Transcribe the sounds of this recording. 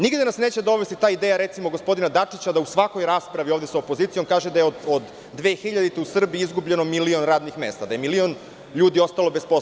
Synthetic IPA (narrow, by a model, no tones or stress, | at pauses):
niɡd̪enasne̞ːt͡ɕed̪o̞ʋest̪it̪aːid̪eːjaɾet̪simo̞ɡo̞spo̞d̪inad̪at͡ʂit͡ɕad̪ausʋako̞jɾaːspɾaʋio̞ːvd̪esaopo̞ziːt̪sijo̞mkaːʒed̪ajeood̪ːʋe̞ːxiʎad̪it̪eusr̩biiizɡubʎe̞no̞milio̞nɾaːd̪nixme̞st̪ad̪aje̞milio̞n | ʎuːd̪io̞st̪alo̞bespo